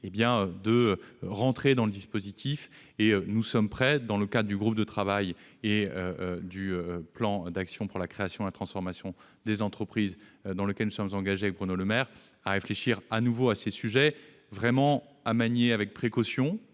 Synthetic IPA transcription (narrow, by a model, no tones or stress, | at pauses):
ebjɛ̃ød̪əʁɑ̃t̪χed̪ɑ̃ləd̪ispozit̪ʰif | eønusɔmpχɛd̪ɑ̃ləkad̪ʁəd̪yɡʁup̚d̪ət̪χavaj | eød̪yøplɑ̃d̪aksjɔ̃puʁlakχeasjɔ̃lat̪χɑ̃sfɔʁmasjɔ̃ | d̪ezɑ̃t̪χəpχizd̪ɑ̃ləkʲɛlnusɔmzɑ̃ɡaʒeavɛk̚bʁynoləmɛʁ | aʁefleʃiʁanuvoasesyʒɛ | vʁɛmɑ̃ | amaɲeavɛk̚pχekɔsjɔ̃